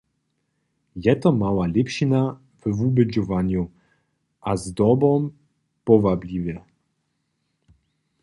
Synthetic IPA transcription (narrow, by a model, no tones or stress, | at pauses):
jɛt̪ɔmawalʲɛpɕina | vvubɘd͡ʑɔvaɲu | ʔazd̪ɔbɔm | pɔvablʲivɛ